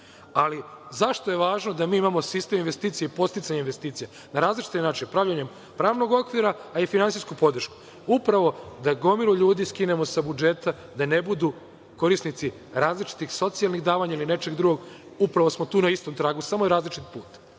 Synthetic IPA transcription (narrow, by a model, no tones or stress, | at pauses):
alizaʃt̪o̞je̞ʋaːʒnod̪amiːimamo̞sist̪e̞minʋe̞st̪iːt̪sijeipo̞st̪it̪saɲainʋest̪iːt̪sije | naɾaːzlit͡ʃi̥t̪inaːt͡ʃinpɾaːʋʎaɲe̞m | pɾaːʋno̞ɡo̞kʋiɾaːifinansijskupo̞d̪r̩ʃku̥ | upɾaʋo̞d̪aɡo̞miluʎuːd̪iskine̞mo̞sabud͡ʒet̪a | d̪ane̞bud̪u | ko̞ɾisnit̪si | ɾaːzlit͡ʃi̥t̪ixso̞t̪sijalˠniɣd̪aːʋaɲailine̞t͡ʃe̞ɡd̪ɾuɡoɡupɾaʋo̞smo̞t̪uːnaist̪o̞mt̪ɾaːɡusamojeɾaːzlit͡ʃit̪i̥puːt̪